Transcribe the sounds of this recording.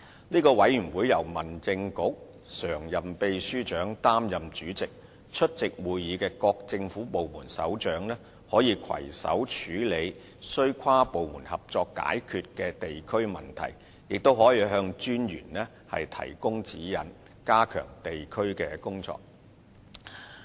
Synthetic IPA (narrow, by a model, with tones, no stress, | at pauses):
niː˥kɔː˧wɐ˨˥jyː˨˩nwuː˨˥jɐ˨˩wmɐ˨˩nt͡sɪ˧ŋkʊ˨˥k̚ | sœː˨˩ŋjɐ˨˩mpe˧jsyː˥t͡ʃœː˨˥ŋt̪aː˥mjɐ˨mt͡ʃyː˨˥t͡sɪ˨k̚ | t͡ʃʰɵ˥t̚t͡sɪ˨k̚wuː˨jjiː˨˧kɛː˧kɔː˧k̚t͡sɪ˧ŋfuː˨˥po˨wmuː˨˩nsɐ̰˨˥wt͡ʃœː˨˥ŋnɛː˥ | hɔː˨˥jiː˧kʰɐ̰˨˩jsɐ̰˨˥wt͡ʃʰyː˨˥le˨˧j | sɵ˥ɥkʷʰwaː˥po˨wmuː˨˩nhɐ˨p̚t͡sɔː˧kːa̰ː˨˥jkʰyː˧t̚kɛː˧t̪e˨jkʰɵ˥ɥmɐ˨˩nt̪ʰɐ̰˨˩j | jɪ˨k̚t̪o˥whɔː˨˥jiː˨˧ɦœː˧ŋt͡ʃyː˥njy̰ː˨˩nlɛː˥ | hɐ̰˨jt̪ʰɐ̰˨˩jkʊ˥ŋt͡siː˨˥jɐ̰˨n | kaː˥kʰœ̰ː˨˩ŋt̪e˨jkʰɵ˥ɥkɛː˧kʊ˥ŋt͡sɔ̰ː˧k̚